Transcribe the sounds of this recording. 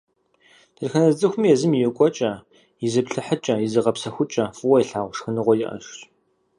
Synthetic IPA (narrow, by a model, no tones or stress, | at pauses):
tʰɨrxɐnɐzʼɨxʷʊmjɛzɨmijɛkʷʼɔt͡ʃʼɐ | jɪzɨpɬɨħət͡ʃʼɐjɪzɨʁɐpsɐxʷʊt͡ʃʼɐfɨwɐjɛɬaːʁʷʃxɨnɨʁʷɔjɪʔɐ̰ʃɕʼ